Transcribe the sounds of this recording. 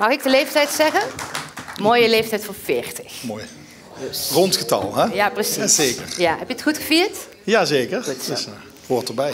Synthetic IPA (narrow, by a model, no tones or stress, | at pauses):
mɑxɪk̚dəlejftɛjtsɛɣən | moːjəlejftɛjtfʊːɹfɪːɹtə̥xmoːj | rɔntχətɑ̰lˠɛjaprəsieːkə̰ɹjaɦɛpjəətxutxəviːɹt | jaːzeːkəɹttɪsa | koːɹtɔbɛj